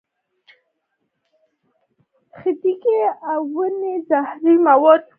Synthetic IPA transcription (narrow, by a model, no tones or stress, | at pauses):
xɪt̪ikeawənezahɾimawɔd̪̚